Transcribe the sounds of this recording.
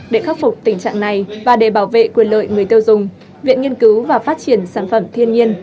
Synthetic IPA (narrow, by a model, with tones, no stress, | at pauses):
ɗe˧˩xa˦˥p̚fʊ˨˩k͡p̚t̪ï˧˩ŋ̟t͡ɕa̰ː˧˨ŋna˨˩jvaː˨˩ɗe˧˩ɓaː˧˩wvḛ˧˨ku˧˩ələ̰ː˧˨jŋɨ˨˩əjt̪i˧wzʊ˨˩ŋ͡m | vḭ˧˨ənŋi˧ənkɨ˨˦wvaː˨˩faː˦˥t̚t͡ɕi˧˩ənsaː˧˩nfə˧˩mt̪ʰi˧ənɲi˧ən